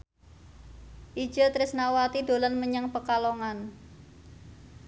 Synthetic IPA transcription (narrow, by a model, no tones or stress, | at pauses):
ʔi̥d͡ʒ̥ət̪ɾɪsnawat̪id̪̥o̤lanməɲaŋpəkaloŋan